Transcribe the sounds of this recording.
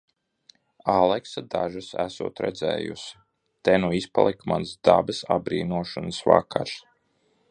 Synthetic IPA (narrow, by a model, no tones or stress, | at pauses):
alˠɛksad̪aʒasæsṵːt̪ɾɛ̰d̪zɛ̰ːjṵsi̥ | t̪ɛnuispa̰lˠɛkmansd̪abɨsabɾiːnuɔʃansvakʰːaɾs